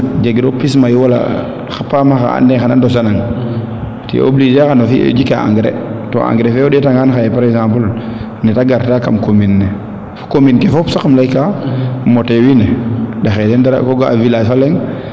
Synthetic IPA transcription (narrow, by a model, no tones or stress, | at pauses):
d͡ʒeɡɾopis̬majuwala̰ | xapamaxa̰a̰nːɛxanandɔs̬anaŋ | tḭʔo̰blid͡ʒexanɔfḭd͡ʒikaa̰ŋɡɾɛ̰to̰ã̰ŋɡɾɛfɛɔdɛtaŋanxajɛpaɾɛkzãmpul | nɛtaɡaɾtakamkominːɛ | fkominkɛfɔpsakmlajkːamɔtɛwinɛdaxɛdɛndaɾa̰kɔɡaa̰vilaːfalɛŋ